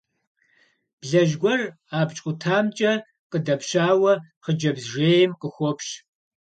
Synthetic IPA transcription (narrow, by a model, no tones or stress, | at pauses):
b̥ɮɐʒɡʷɔr | aːbt͡ʃʼʊtʰaːmt͡ʃʼɐ | qədɐpʃaːwɐχəd͡ʒɐbzʒeːjɪmqəxʷɔpʃ